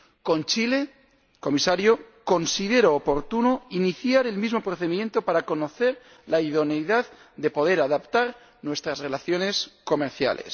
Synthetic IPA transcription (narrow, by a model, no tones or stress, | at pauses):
ko̞nt͡ʃile̞ | ko̞misaɾjo̞ko̞nsiðe̞ɾoːpo̞ɾt̪unoiniθjaɾe̞lmizmo̞pɾoθe̞ðimjẽ̞nt̪o̞paɾako̞no̞θe̞ɾ | laiðo̞nejðað | d̪e̞po̞ðe̞ɾaðapt̪aɾ | nwe̞st̪ɾazre̞laθjo̞ne̞sko̞me̞ɾθja̰le̞̰s